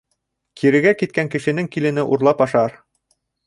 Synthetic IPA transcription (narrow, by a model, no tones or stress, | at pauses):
kʰiɾɘ̆ɡækit̪̚kæŋkɘ̆ʃɘ̆nɘŋkilɘ̆nɘʔuɾlˠɑpɑʃɑɾ